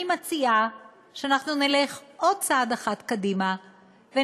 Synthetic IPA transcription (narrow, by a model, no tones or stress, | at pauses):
imat͡sia | ʃeanaχnuneleχʔo̞d̪̚t͡saad̪aχat̪kadima | ve